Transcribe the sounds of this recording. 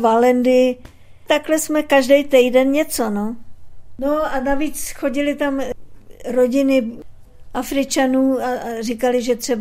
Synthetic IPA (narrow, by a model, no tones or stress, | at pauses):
valɛndɪ | t̪aklɛsmɛkaʒdɛjt̪ɛjdɛnɲɛt͡so̞no | noanaviːt͡sxo̞ɟɪlɪt̪am | ɾoɟɪnɪ | ʔafɾɪt͡ʃanuːarɪkalɪʒɛt̪r̥ɛb